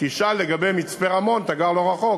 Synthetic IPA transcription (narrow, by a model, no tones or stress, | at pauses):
kiʃalːeɡabejmit͡speʁamo̞nt̪aɡaʁlo̞ʁaχo̞